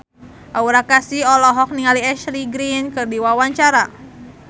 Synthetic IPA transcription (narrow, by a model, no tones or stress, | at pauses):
ʔauɾakasiɔlɔɦɔk̚niŋaliɛʃliɡɾinkɨrdiwawaɲt͡ʃaɾa